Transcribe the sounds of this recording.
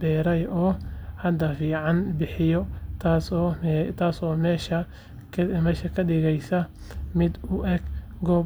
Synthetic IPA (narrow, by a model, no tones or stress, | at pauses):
bɛːɾɛjɔːhɐd̪ɐfiːʕɑnbɪħɪjɔt̪ʰaːsːɛt̪ʰaːsɔːmɛːʃɐ | kʰmɛːʃɐkʰɐɗɪɣɛjsɐ | mɪd̪ʊʔɛɡ | ɡɔː